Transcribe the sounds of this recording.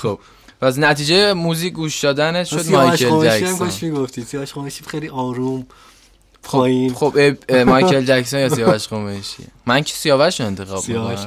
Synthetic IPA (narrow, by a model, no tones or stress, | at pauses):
xob̥̚ | pʰæs̬næt̪ʰiːd͡ʒejemuziːcʰʲɡuːʃd̪ɒːd̪ænet̪ʃod̪mɒjʃelod͡ʒæʃiæmkonmiɡoft̪ʰid̪sijɒvæʃχomeʃixejliʔɒːɾum | pʰoɔːjinxobemɒjcʰeld͡ʒæksonjɒsijɒːæʃqomeʃḭmæncʰe̥sijɒːvæʃoe̞nt̪ʰe̞xɒ̰ːbmikːon